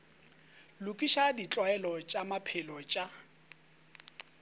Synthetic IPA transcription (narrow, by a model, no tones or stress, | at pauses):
lʊkʼiʃadit͡ɬʼwaɛlɔt͡ʃʼamapʰɛlɔt͡ʃʼa